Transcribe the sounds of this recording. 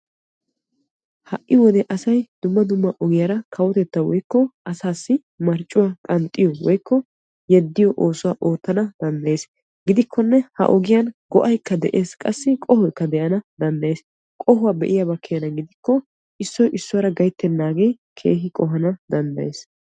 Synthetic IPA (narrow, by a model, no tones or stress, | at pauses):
hɐʔʔːɪwɔd̪ɛʔɐsɐjd̪ʊmːɐd̪ʊmːɐʔɔɡɪjaɾɐkʰɐwɔt̪ɛt̪ːɐwɔ̰jkːɔʔɐsaːsːɪ | mɐɾt͡ʃʼːʊwaːkʼɐnt̪ʼːɪjɔwɔjkːɔ | jɛd̪ːɪjɔʔoːsʊwaːʔo̞ːt̪ːɐnɐd̪ɐnd̪ɐjeːs | ɡɪd̪ɪkʰːɔnːɛhɐ̰ʔɔɡɪjɐnɡɔʔɐjkːɐd̪ɛʔe̞ːskʼɐsːɪkʼɔhɔjkːɐd̪ɛʔɐnɐd̪ɐnd̪ɐjeːs | kʼɔhʊwaːbɛʔɪjabɐkʰːɪjɐnɐɡɪd̪ɪkːɔ | ʔɪsːɔjʔɪsːʊwaːɾɐɡɐjt̪ːɛnːaːɡɛj | kʰe̞̰ːɦɪkʼɔɦɐnɐd̪ɐnd̪ɐjḛːs